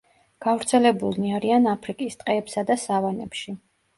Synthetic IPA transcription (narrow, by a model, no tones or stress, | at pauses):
ɡ̥avɾt̪sʰɛlɛbulˠniaɾianapʰɾikʼist̪ʼqʼɛːpsad̪asavanɛ̰pʃi